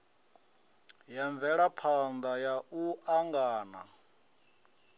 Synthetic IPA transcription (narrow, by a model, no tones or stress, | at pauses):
jaɱb̪vɛɺapʰand̪ajaʔuaŋɡaːna̰